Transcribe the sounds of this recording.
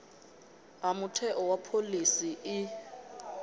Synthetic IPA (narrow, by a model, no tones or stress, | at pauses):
amutʰɛʔɔwapʰolisiʔɪ